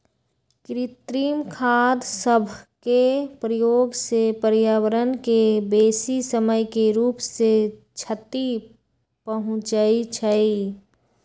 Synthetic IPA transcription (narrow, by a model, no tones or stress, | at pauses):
kɾit̪ɾiːmkʰad̪səbʱkepɾəjoːɡsepəɾjawəɾənkebeːsisəməjkeɾuːpse | t͡ʃʰət̪i | pəɦʊ̃t͡ʃait͡ʃʰəi